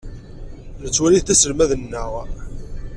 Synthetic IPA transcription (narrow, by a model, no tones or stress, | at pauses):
nət͡sːwæliθθæsəlmæðənːəʁ